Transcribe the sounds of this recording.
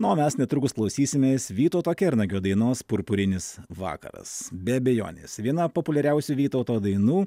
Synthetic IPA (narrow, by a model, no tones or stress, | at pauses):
nʊoːmʲɛsnʲɛt̪ɾʊkʊsklˠɐʊsʲiːsʲɪmʲeːsʋʲiːt̪oʊt̪oːkʲɛɾnɐɡʲoːd̪ɐɪnoːspʊɾpʊɾʲɪnʲɪsʋɑ̰ːkɐ̰ɾɐ̰sbʲɛɐbʲɛjo̰ːnʲḛːsʋʲiɛnɐpoːpʊlʲɛɾʲɛʊsʲuʋʲiːt̪ɐʊt̪oːd̪ɐɪnuː